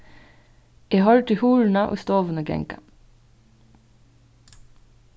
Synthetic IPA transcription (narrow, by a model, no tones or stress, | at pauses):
eːhɑːɹʈɪhuːɹɳ̩ɑʔo̰ːst̪oːʋənəɡɛ̰ŋkɑ